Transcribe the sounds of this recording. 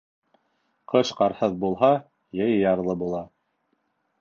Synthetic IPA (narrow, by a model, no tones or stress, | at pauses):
qʰɤʃqɑɾhɤðbulˠɦɑ | jɘjjɑɾlˠɤbulˠɑ